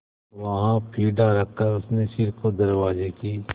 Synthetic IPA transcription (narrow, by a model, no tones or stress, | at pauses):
ʋɐɦãpʰiːɖaɾɐkʰːəɾʊsneʃɪɾkod̪ɐɾwaːzekiː